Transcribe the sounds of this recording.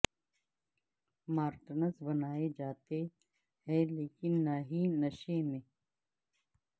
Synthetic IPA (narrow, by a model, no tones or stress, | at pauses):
maːɾt̪nəsbɐnaːed͡ʒaːt̪e | ɦɛ̃leːkɪnːaːɦinəʃemẽː